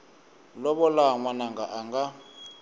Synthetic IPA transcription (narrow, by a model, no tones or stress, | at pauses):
lɔɓɔlaŋwanaŋɡaʔaŋɡa